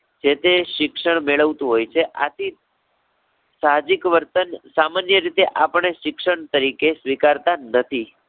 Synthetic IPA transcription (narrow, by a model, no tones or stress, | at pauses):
d͡ʒet̪eʃɪkʃəɳmeɭəʋt̪ũɦojt͡ʃʰeʔa̰t̪ʰi | saɦd͡ʒikʋəɾt̪ənsamanjəɾit̪eʔapəɳeʃɪkʃəɳt̪əɾikesʋikaɾt̪anət̪ʰi